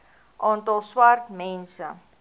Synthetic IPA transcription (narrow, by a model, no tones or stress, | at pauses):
ʔɑːntɐlˠswartmɛnsə